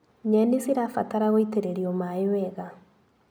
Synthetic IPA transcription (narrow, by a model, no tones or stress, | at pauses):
ɲɛnesiɾafataɾaɣoiteɾeɾiomaewɛɣa